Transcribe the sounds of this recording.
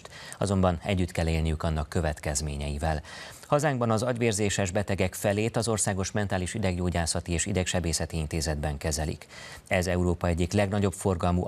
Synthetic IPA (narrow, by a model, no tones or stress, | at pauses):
t̪ɒzo̞mbɒnɛ̰ɟːyt̪kɛlːeːlnijykɒnːɒkːø̞vɛt̪kɛzmeːɲɛjivɛl | hɒzaːŋɡbɒnɒzɒɟʋeːrzeːʃɛʒbɛt̪ɛɡɛkfɛleːt̪ɒzo̞rsaːɡo̞ʃmɛnt̪aːliʃid̪ɛɡɟoːɟaːsɒt̪ieːʃid̪ɛkʃɛbeːsɛt̪iint̪eːzɛd̪bɛŋkɛzɛlḭkɛzɛuɾoːpɒɛɟːiklɛɡnɒɟo̞pfo̞rɡɒlmu